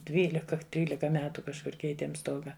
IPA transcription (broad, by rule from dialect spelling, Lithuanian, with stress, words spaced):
ˈdʲʋʲiːlʲɪkɐ ˈtʲrʲiːlʲɪkɐ ˈmʲæːtʊ kɐʃˈkʊr ˈkʲɛɪtʲeːm ˈstoːɡɐ